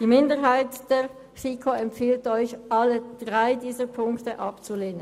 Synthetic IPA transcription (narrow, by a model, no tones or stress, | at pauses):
d̥iːmɪndəʁɦaɪtd̥eːɐ | sikʰoɛmpfiːltɔʏçʔɑləd̥ʁaɪdiːzəpʰʊŋktəʔɑpt͡suleːnən